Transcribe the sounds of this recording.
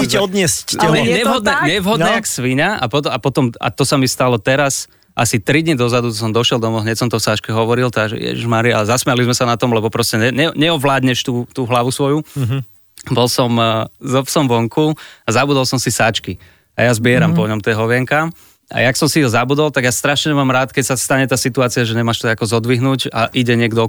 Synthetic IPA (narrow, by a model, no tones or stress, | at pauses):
iɛɔd̪ɲɪɛscɛɛɲɛɦɔd̪nɛɲɛʋɦɔd̪nɛːaksʋiɲaa̰pɔt̪ɔapɔt̪ɔma̰t̪ɔsamist̪alɔt̪ɛɾas | ʔasit̪ɾid̪ɲid̪ɔzad̪ut̪ɔs̬ɔmd̪ɔʃɪɛlˠd̪ɔmɔɦɲɛcsɔmt̪ɔfsat͡ʃkɛɦɔʋɔɾilt̪aʒɛ̰jɛ̰ʒiʒmaɾia̰lɛzasmɛalizmɛsanat̪ɔmlɛbɔpɾɔscɛɛɲɛɲɛɔʋlaːd̪ɲɛʃt̪uːt̪uːɦlaʋusʋɔju | bɔlsɔmzɔpsɔmʋɔŋkuazabud̪ɔlˠsɔmsisaːt͡ʃki | a̰jazbɪɛɾampɔɲɔmt̪ɛːɦɔʋɪɛŋka | a̰jaksɔmsiɦɔzabud̪ɔlt̪aɡjaːst̪ɾaʃɲɛmaːmɾaːt̪kɛcsast̪aɲɛt̪aːsit̪uaːt͡siaʒɛɲɛmaːʃt̪ɛakɔzɔd̪ʋiɦnuːca̰ʔiɟɛɲɪɛɡd̪ɔ